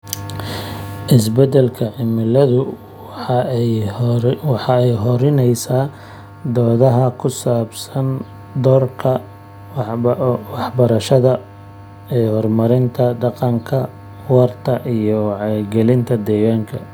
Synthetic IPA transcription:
ʔɪsbɛd̪ɛlkʰɐʕɪmɪlɐðʊ | wɑħɑɛjɦɔɾɪnɛjsaː | d̪ɔːðɐɦɐkʰʊsaːbsɐn | d̪ɔrkʰɐ | wɑħbɐɾɐʃɐðɐ | ɛːhɔrmɐɾɪnt̪ʰɐd̪ɑqɑŋkʰɐ | wɑrt̪ʰɐʔijɔʕɑɡɛlɪnt̪ʰɐd̪ɛjaːŋkʰɐ

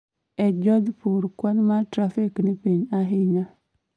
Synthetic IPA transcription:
ɛd͡ʒɔd̪puɾkwanmatɾafiknɪpiɲaɦɪɲa

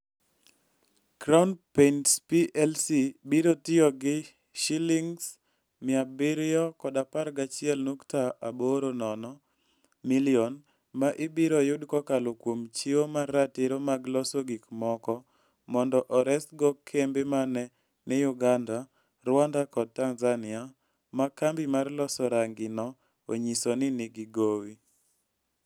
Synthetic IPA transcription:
kɾaʊnpentpiʔɛlsibiɾotɪɔɡɪ | ʃiliŋs | mɪabɪɾjɔkɔdapaɾɡat͡ʃɪɛlnuktaaboɾonɔnɔ | milɪɔn | maʔɪbiɾojʊdkɔkalokwomt͡ʃiwomarːateɾomaɡlɔsoɡikmɔkɔ | mɔndɔʔɔɾɛstɡɔkʰːembemanɛ | nijʊɡanda | ɾwandakɔd̚tanzanɪa | makambimarlɔsɔɾaŋɡɪnɔ | o̰ɲisonɪnɪɡiɡowi

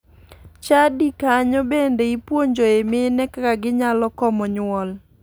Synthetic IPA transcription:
t͡ʃadikaɲɔbendeipwoɲd͡ʒoemɪnɛkakaɡɪɲalɔkɔmɔɲwɔl

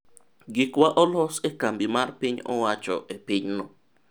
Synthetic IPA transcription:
ɡikwaʔɔlɔsɛkambimaɾpiɲɔ̰wat͡ʃɔ̰ʔepiɲnɔ

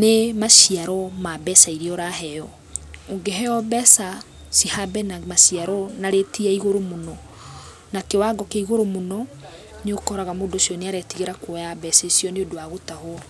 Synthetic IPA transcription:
nemaʃiaɾɔmabɛsaiɾeɔɾaɦɛjɔ | oŋɡeɦɛɔbɛsa | sihabɛnamaʃiaɾɔnaɾetiaiɣoɾomonɔ | nakewaɡɔkeiɣoɾomonɔ | neokɔɔɾaɣamodosjɔneaɾɛtiɣeɾakwɔjabɛsesjɔneodowaɣotaho

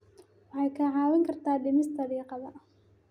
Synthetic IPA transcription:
wɑħɑjkʰɐʕɑːwɐŋkʰɐrt̪ʰaːɖɪmɪsd̪ɐɾiːqɑðɐ

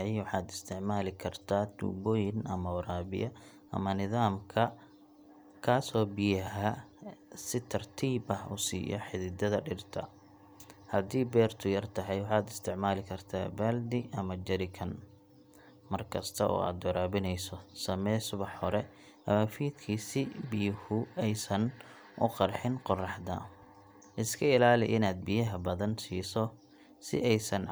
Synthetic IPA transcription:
ɛjwɑħɑːd̪ɪst̪ʰɪʕmaːlɪkʰɐrt̪ʰaːd̪ṵːbɔːjɪnʔɐmɐʊɾaːbɪ̰jɐ | ɐ̰mɐnɪðaːmkʰɐ | kʰaːsɔːbɪjɐɦɐ | sɪt̪ʰɐrt̪ʰiːbɐhʊ̰sḭːjɔ̰ħɪðɪd̪ɐðɐɖɪrt̪ʰɐ̰ | hɐd̪iːbɛːrt̪ʰʊjɐrt̪ʰɐɦɛjwɑħɑːd̪ɪst̪ʰɪʕmaːlɪkʰɐrt̪ʰa̰ːbaːld̪ɪʔɐmɐd͡ʒɐɾɪkʰɐn | mɐrkʰɐst̪ʰɐʔɔ̰ːa̰ːd̪ʊɾaːβɪnɛjsɔsɐmɛːsʊβɐħɔɾɛ | ʔɐmɐfiːd̪kʰiːsɪbɪjʊhʊɛjsɐn | ʔʊqɑrħɪnqɔrɑħd̪ɐ̰ | ʔɪskʰɐɪlaːlɪ̰ʔɪnaːd̪̚bɪjɐɦɐbɐðɐnsiːsɔ | sɪ̰ʔɛjsɐn

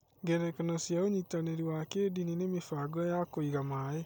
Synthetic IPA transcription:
ŋɡɛɾɛkenɔsjaoɲitaneɾiwakedininemefaɡɔjakoiɣamae

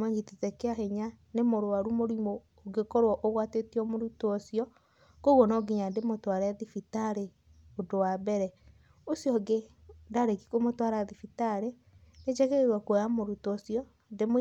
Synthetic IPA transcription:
maɲɡitetɛkeaheɲanemoɾoaɾumoɾimoː | ɡekɔɾwɔʔoɣwatetiɔmoɾutoosiɔ | koɣɔnɔɡiɲandemotwaɾɛðifitaɾe | odowabɛɾɛ | osjɔɡe | daɾeki̥komotwaɾaðifitaɾe | ned͡ʒɛɣɛeɾwakwɛjamoɾutosiɔ | dem

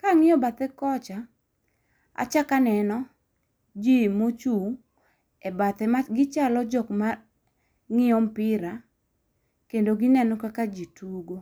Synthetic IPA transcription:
kaŋɪjɔbat̪ɛkɔt͡ʃa | a̰t͡ʃakanɛnɔ | d͡ʒimot͡ʃu | ɛbat̪ɛmaɡɪt͡ʃalɔd͡ʒɔkma | ŋɪɔmpɪɾa | kendoɡɪnɛnɔkakad͡ʒituɡo

